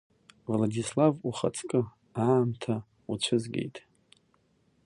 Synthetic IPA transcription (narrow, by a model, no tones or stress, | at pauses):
vladislavuχa̰t͡sʰʼkʼɨ | aːmtʰa | ut͡ɕʷʰɨzɡʲe̞̰jtʼ